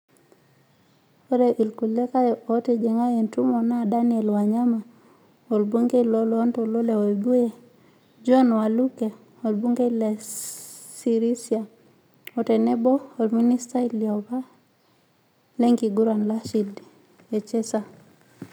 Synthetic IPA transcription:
o˦ɾe˨ʔi˨lku˨le˦ka˦o˦te˨d͡ʒe˨ŋa˦je˨ntu˦mo˨na˦˨da˦ni˦e˨lwa˨ɲa˦ma˨ | o˨lbu˦ŋɡe˦i˨lo˨lo˦nto˨lo˦le˨o˨e˨bu˦je˨ | d͡ʒɔ˦nwa˨lu˦ke˨ | o˨lbu˦ŋɡe˦ile˨ | si˨ɾi˦sia˨ | o˨te˨ne˦bo˦o˨lmi˦ni˦sta˦i˨ljɔ˨βa˦ | le˦ŋɡi˨ɡu˦ɾa˨nla˦ʃi˨d | e˨t͡ʃe˦sa˦

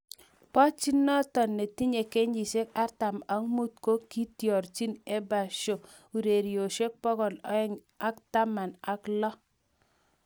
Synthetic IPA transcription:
pɔ˦t͡ʃi˦nːɔ˦tɔ˨nːe˨ti˦ɲe˨ke˦ɲd͡ʒi˨se˦ka˦ɾta˨ma˨˦ŋmu˦t̚ko˦ki˦tjɔ˨ɾt͡ʃi˦ne˦ba˨ʃo˨ | u˨ɾe˨ɾjo˨ʃe˦k̚pɔ˦ɡɔ˨nɔ̰˨˦ɛ˦ŋ | a˦kta˦ma˨na˦klɔ˦

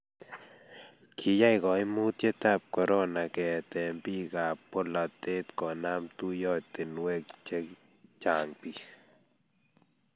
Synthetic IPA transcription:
kʰi˨ja˦jɡo˨jmu˦t̪je˦t̪a˦˨p̚ko˨ɾo˦na˨ke˨t̪e˨mbi˦ɡa˨po˦la˧t̪e˦t̪ko˨na˦mt̪u˦jo˦˧t̪e˨nwe˦kt͡ʃe˦kt͡ʃa˨ŋpi˧x

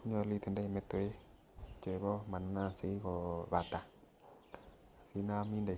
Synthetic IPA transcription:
u˦ɲɔ˧li˧t̪e˨nde˧˨mɛ˧˦t̪e˨˦ | t͡ʃə˨bɔ˦ma˨na˧si˨˦kɔ˧βa˨t̪a˨ | a˨si˨˦na˧mi˧nda˨

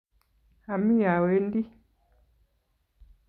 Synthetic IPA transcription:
a˨mi˦ja˨we˨˦n˦di˦

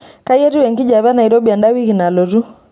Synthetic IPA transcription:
ka˦i˦ɛ˦ɾi˦wɛ˨ŋɡi˦d͡ʒa˨βa˦na˨i˨ɾɔ˦bi˨a˨nda˦wi˦ɣi˨na˨lɔ˨ɾu˦

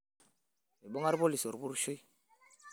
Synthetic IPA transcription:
e˨bo˦ŋa˦ɾbo˦li˨so˨ɾbu˦ɾʃo˦j

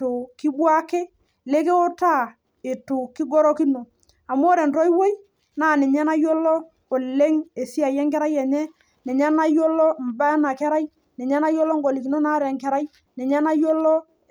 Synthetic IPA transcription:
o˨ki˦bwa˦ke˦ | le˦ke˦o˦ta˦˨ | e˨to˨ki˦ɡo˦ɾɔ˦ki˦no˨ | a˨mo˦ɾɛ˨ntɔ˦i˦wo˦j | naː˨nɛ˨ɲɛ˦na˦jo˦lɔ˦ | o˨le˦ŋe˨si˦a˨jɛ˦ŋkɛ˦ɾa˦jɛ˨ɲɛ˦ | nɛ˨ɲa˦na˦jo˦lɔ˦m̩˨ba˦na˨kɛ˦ɾa˦j | nɛ˨ɲɛ˦na˦jo˦lɔ˦ŋ˦ɡo˨li˨ki˨no˦na˦ɾɛ˨ŋkɛ˨ɾa˦j | nɛ˨ɲɛ˦na˦jo˦lɔ˦

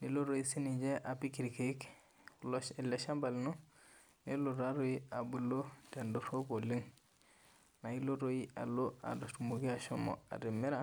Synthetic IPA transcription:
ni˨lo˦ɾo˨i˦si˦nid͡ʒe˦ʔa˨pi˦ki˨ɾike˨˦k | loile˨ʃa˦mba˨lnu˦ | ni˦lo˨ɾa˦ɾo˦i˦a˨bu˨lo˦de˨ndo˦fo˦ko˨li˦ŋ | na˨i˦lo˦ɾo˦ji˦a̰˨lo˦a̰˨do˨stu˨mo˨ɡi˦a˨ʃo˦mo̰˨a̰˨ɾi˨mːi˦ɾa˦

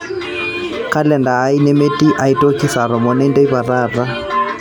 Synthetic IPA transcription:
ka˦lɛ˨ndaː˨˦i˦nɛ˦me˦ti˦ʔa˨ito˦ki˦sa˨ɾɔ˨mɔ˨nɛ˦ndɛ˦i˦βa˨ɾa˦ra˦

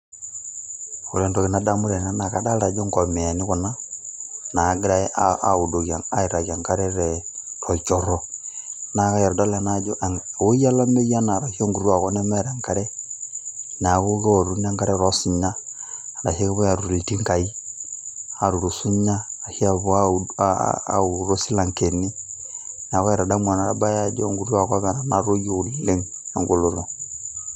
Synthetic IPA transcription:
u˨ɾɛ˨ndɔ˨ɣe˨na˦da˦mu˦ɾɛ˨na˦na˨ka˦da˦la˨d͡ʒo˦ŋkɔ˨mɛ˨a˨ni˦kɔ˨na˦ | na˨ɡi˦ɾa˦audo˨a˨a˦i˨ɾa˨ɣia˨ŋka˦ɾɛ˦ɾɛɾɔ˨t͡ʃɔ˨ɾɔ˨ | na˨ka˦ja˨ɾɔ˨da˦la˨na˦d͡ʒɔ˦ʔo˦i˦a˦la˦me˦ɣi˦a˦na˨ɾa˨hi˦o˦ŋɡu˨ɾwa˨kɔ˦nɛ˦mɛ˦ɾa˨ŋka˦ɾɛ˦ | n˨a˨ɣo˦ɣɛ˦ɔ˨ɾu˦n˦a˦ŋka˦ɾɛ˦ɾɔ˦si˨ɲa˦˨na˨he˦ɣɛ˦βo˦ja˨ɾu˨ɾi˨ti˦ŋka˨i˦ | a˨ɾu˨ɾo˨su˦ɲaː˦˨hi˦a˨βo˨a˦˨ | u˨ɾo˦si˦la˨ŋke˨ni˦ | n˨a˨ɣɔ˦ɛ˨ɾa˨da˦mwa˨na˨ɾa˦ba˦ja˦d͡ʒɔ˦ŋɡu˦ɾu˦a˨ka˦βɛ˨ɾa˨na˦ɾo˦jo˦˨lile˦ŋ | a˨ŋɡo˨lo˨ɾo˨

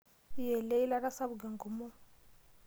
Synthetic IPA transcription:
jɛ˨lɛ˦i˦la˦ɾa˦sa˦βu˨ɡɛ˨ŋɡo˨mu˦

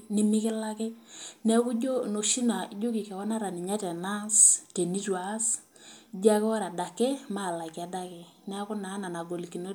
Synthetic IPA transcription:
ni˦mi˦kɪ˦la˦kɪ˦nɛ˦ku˦d͡ʒo˦no˨ʃi˦na˨i˦d͡ʒo˦ki˨kɛ˨wɔ˦na˦ɾa˨ni˨ɲa˦tɛ˨na˦ste˨ni˦twa˨˦s | d͡ʒa˦kɪ˦wa˦ɾa˨da˨ke˦ma˦˨la˨kja˨˦da˦kɛ˨nɛ˦a˦kʊ˦na˨˦na˨na˨ɡo˨li˨ki˨no˦

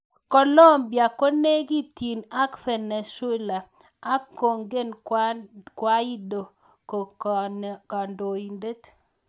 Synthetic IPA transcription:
kɔ˨lo˦mbja˨ko˦ne˦ɡi˦t̪i˨na˦kfɛ˨ne˨swɛ˦la˨ | a˦ko˨ŋɡe˦n | kwa˦i˦do˨ | ko˨ | ka˨ndo˨i˨nde˦t̪

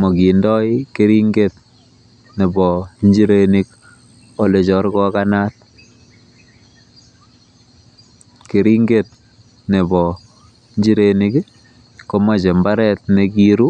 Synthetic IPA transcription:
mo˨ki˨ndɔ˦jke˦ɾi˦ŋɡe˨t | ne˨bɔ˨nd͡ʒi˦ɾeni˦k | o˦le˨t͡ʃɔ˨ɾkɔ˦kana˦t̚ | ke˨ɾi˦ŋɡe˨t̚ | ne˨bɔ˨ | ɲd͡ʒi˦ɾeni˦k | ko˦ma˦t͡ʃe˨mba˦ɾɛ˨t̚ne˨ki˦ɾu˦

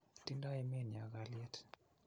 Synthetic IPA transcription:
ti˦ndɔ˦ɛmi˦˨n˨a˨ɡaljɛ˦t

